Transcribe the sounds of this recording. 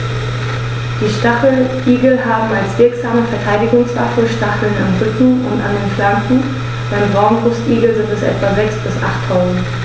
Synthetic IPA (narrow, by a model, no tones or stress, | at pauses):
d̥iːʃtaχl̩ʔiːɡl̩ɦaːbm̩alsv̥ɪɐkz̥aːməfɛɐtʰaɪdɪɡʊŋsv̥a̰fl̩ʃtaχl̩nanʁʏtn̩ʊ̰ntandeːnflamkn̩ | b̥aɪbʁaʊnbʊstʔiːɡl̩zɪntɛsʔɛ̰tv̥azɛksb̥ɪsʔa̰χtʰːaʊzn̩t